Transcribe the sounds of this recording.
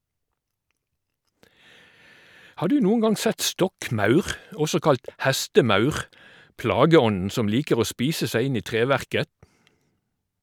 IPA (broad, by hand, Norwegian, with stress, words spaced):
ˈhɑː ˈdʉː ˈnuːŋ̍ ˈɡɑŋ ˈsɛt ˈstɔkˌmɑʉʁ ˈɔsɔ ˈkɑlt ˈhɛstəˌmɑʉʁ ˈplɑːɡəˌɔnn̩ ˈsɔm ˈliːkəʁ ˈoː ˈspiːsə ˈsæɪ ˈɪn ˈiː ˈtʁeːˌʋæʁkə